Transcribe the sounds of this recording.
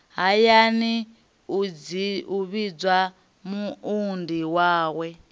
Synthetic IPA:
ɦajani | ud͡ziuβid͡zwa | muundiwaːwɛ

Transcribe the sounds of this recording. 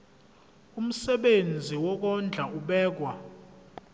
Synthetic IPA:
um̩sɛɓend͡zʱiwɔk̬ɔnd͡ɮʱaʔuɓɛːk̬wa

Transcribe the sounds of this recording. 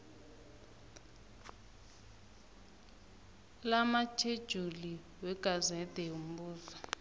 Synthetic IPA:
lamat͡ʃʰed̥ʒ̥ʱuli | wɛɡ̥ʱazɛd̥ʱɛum̩buːza

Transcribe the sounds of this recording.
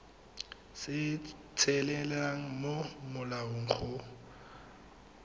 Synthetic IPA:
sɪ | t͡sʰɛlɛlɛaŋ̩momʊlaʊŋ̩χʰʊ

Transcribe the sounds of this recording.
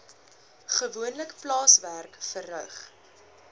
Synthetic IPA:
χəvuənləkplɑːsværkfərœχ

